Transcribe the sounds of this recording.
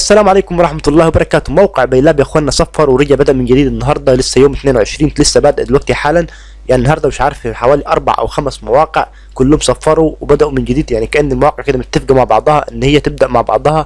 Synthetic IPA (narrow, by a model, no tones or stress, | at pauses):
ʔæsːælæːmʕaleːkʊmwɾˤɑħmæt̪lˤːɑːhwebɑɾˤɑkæːt̪omæwqeʕbæjlːæːbjæxwænːæsˤɑfːɑɾˤwɾɑɡæʕbæd̪æʔmɪnd͡ʒæd̪iːd̪enːɑɦɑɾˤd̪ˤɑlɪsːæjoːmt̪neːnweʕeʃɾiːnlɪsːæbæd̪æʔd̪elwæɡ̚t̪iħaːlæn | jaʕninːɑɦɑɾˤd̪ˤɑmɪʃʕɑɾˤfħawæːliʔɑ̰ɾˤbaʕʔæ̰wxæmsmæwɑːqeʕ | kʊlːohmsˤɑfːɑɾˤuwebæd̪æʔumɪnd͡ʒɪd̪iːd̪jaʕnikæʔænːelmawɑːqeʕked̪æmeʃt̪ːɪfɡæmaʕbɑ̰ʕd̪ˤɑhɑʔɪnːhejːæt̪eb̚d̪æʔmaʕbɑ̰ʕd̪ˤɑhɑ